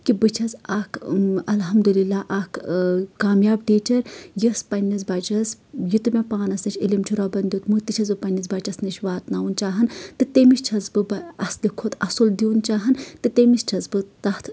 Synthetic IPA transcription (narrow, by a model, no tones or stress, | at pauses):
kibɨt͡ʃʰɐzaːkʰɐlɦɐmd̪ulilːaːʔakʰkaːmjaːbɖiːt͡ʃɐɾjispɐnʲːɐzbaːt͡ʃɐsjit̪ɨmʲepaːnɐsnɐt͡ʃʰʲilimt͡ʃʰuɾaːbɐnd̪juːt̪mut̪it͡ʃʰɐzbɨpɐnʲːizbɐt͡ʃɐsnɐt͡ʃʰʲʋaːt̪naːunt͡ʃaːɦɐnt̪ɨt̪eːmist͡ʃʰɐzbɨbɐɐslikʰot̪ʰɐsuld̪iunt͡ʃaːɦɐnt̪ɨt̪emist͡ʃʰɐzbɨt̪ɐht̪ʰ